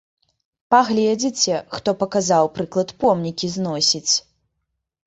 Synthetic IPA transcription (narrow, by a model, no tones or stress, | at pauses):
paɣlʲɛd͡zʲit͡sʲɛxt̪ɔpɐkazawpɾɨklˠɐt̪pɔmnʲikʲiznɔsʲit͡sʲ